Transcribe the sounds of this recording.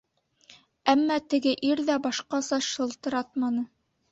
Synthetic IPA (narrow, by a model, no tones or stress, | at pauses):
æmːæt̪ɘ̆ɡɘʔiɾðæbɑʃqɑsɑʃɤ̆lˠt̪ɤ̆ɾɑt̪̚mɑnɤ